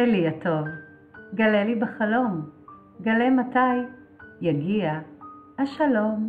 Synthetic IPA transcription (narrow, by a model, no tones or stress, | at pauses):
liato̞v | ɡalelibeχalo̞m | ɡalemataj | jaɡiahaʃalo̞m